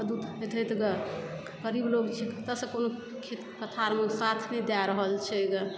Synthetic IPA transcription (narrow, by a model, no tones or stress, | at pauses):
d̪ud̪ed̪ʱət̪ɡə | kəɾibloɡt͡ʃʰɛkʰt̪əsəkono | kʰet̪kət̪ʰaɾmesat̪ʰnɛd̪aɾəɦəlt͡ʃʰɛɡə